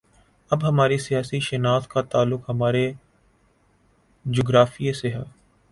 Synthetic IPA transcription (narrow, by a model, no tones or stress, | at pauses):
ɐbɦɐmaːɾisijaːsiʃɛnaːt̪kat̪aːlːʊkɦɐmaːɾe | d͡ʒoːɡɾaːfieseɦɛː